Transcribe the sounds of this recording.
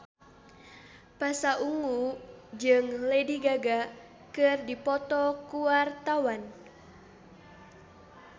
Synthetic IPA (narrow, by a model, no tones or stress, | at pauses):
pasaʔuŋud͡ʒɨŋlediɡaɡa | kɨrdipɔt̪ɔkuwart̪awan